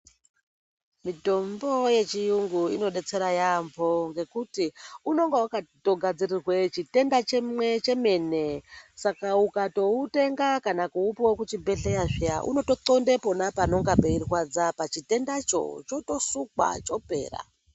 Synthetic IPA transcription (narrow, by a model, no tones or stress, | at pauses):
mito̞mbo̞je̞t͡ʃijuŋɡuino̞ɗe̞t͡se̞ɾajambʱo̞ŋɡe̞kutiuno̞ŋɡeukato̞ɡʱad͡zirirwe̞t͡ʃite̞ndat͡ʃewet͡ʃe̞me̞ne̞sakaukato̞ute̞ŋɡakanakuupowekut͡ʃibʱe̞ɬejaʐijaʔṵno̞to̞to̞ndepo̞napano̞ŋɡabeirwad͡zapat͡ʃite̞ndat͡ʃo̞̰t͡ʃo̞to̞suk̚wa̰t͡ʃo̞pe̞̰ːra̰